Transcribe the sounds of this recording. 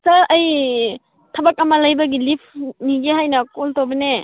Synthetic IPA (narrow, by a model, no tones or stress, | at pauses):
sɐɐj | tʰɐbak̚ɐmɐlɐjbɐɡilipʰniɡeɦajnɐkoltobene